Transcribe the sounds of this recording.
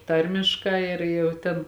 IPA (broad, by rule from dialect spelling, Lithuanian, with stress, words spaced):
ˈtɐrʲmʲɪʃkɑː ˈɪr jɛʊ ˈtʲeːn